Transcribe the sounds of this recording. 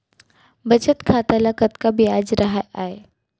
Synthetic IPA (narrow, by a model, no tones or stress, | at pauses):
bət͡ʃət̪kʰaːt̪alakət̪kabiaːd͡ʒɾɐɦaʔae